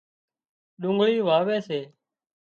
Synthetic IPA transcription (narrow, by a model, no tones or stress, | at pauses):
ɗʊ̃ŋɡɭiːʋaːʋeːseː